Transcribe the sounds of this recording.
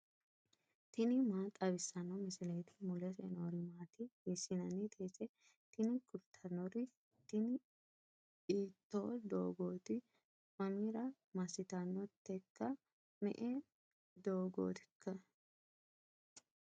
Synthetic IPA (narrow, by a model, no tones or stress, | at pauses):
t̪ɪnɪmaːt̪ʼɐβɪsːɐnɐmɪsɪleːt̪ɪ̥mʊlɛsɛ̰noɾɪmaːt̪ɪjɛsɪnɐnɪt̪ʰeːt͡sʼɛ | t̪ɪnɪkʊɾt̪ʰɐnːɔɾɪ | t̪ɪnɪ | iːt̪ːo̰ːd̪o̰ːɡoːt̪ɪ | mɐmiɾɐ | mɐsɪt̪ɐnːɔt̪ːɛkːɐ | mɛ̰ʔɛ | d̪oːɡo̰ːt̪ɪ̥kʰːɐ